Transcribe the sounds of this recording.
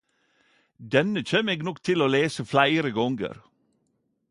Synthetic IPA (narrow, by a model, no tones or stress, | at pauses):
d̪ɛnəc͡çeːmeːɡnɔkt̪ʰɪloːleːsəflæɪɾəɡɔŋɡə̰ɾ